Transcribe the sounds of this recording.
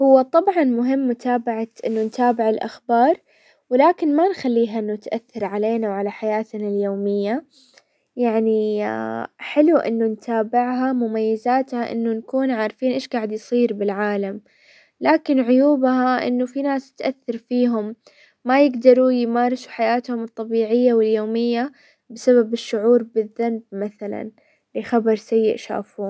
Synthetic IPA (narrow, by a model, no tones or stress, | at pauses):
hʊwːat̪ˤɑbʕɑnmʊɦɪmːʊt̪ʰaːbaʕaʔɪnːʊnt̪aːbɪʕɪlʔa̰xbɑːɾˤ | wɪlaːkɪnmanxalːiːɦaʔɪnːʊɪt̪ʔaθːɑɾˤʕaleːnawʕalaħajaːt̪naljoːmɪjːa | jaʕni | ħɪluʔɪ̰nːʊnt̪aːbɪʕɦamʊmajːɪzaːt̪haʔɪ̰nːʊnkuːnʕaːɾˤfiːnʔeːʃɡaːʕɪd̪jsˤiːɾbɪlʕaːlam | laːkɪnʕʊjuːbɦaʔɪ̰nːʊfinaːsɪ̥t̪ʔaθːɑɾˤfiːɦʊmː | ajɪɡd̪ɑɾˤujmaːɾˤsu̥ħajaːt̪hʊmɨt̪ˤːɑbiːʕɪjːawɪljoːmɪjːa | bɪsaβabɪʃːʊʕuːɾbɪðːanb̚maθala̰n | lɪxabɑɾˤsajːɪ̰ʔʃa̰ːfuːn